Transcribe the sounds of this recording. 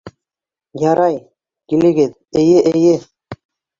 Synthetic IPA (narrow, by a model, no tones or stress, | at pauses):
jɑɾɑj | kilɘ̆ɡɘð | ɘ̆jɘʔɘ̆jɘ